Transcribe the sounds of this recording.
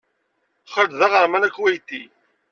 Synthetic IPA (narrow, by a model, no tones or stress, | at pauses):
χəɾd̪ðæʁəɾmænækːwæjt̪ːi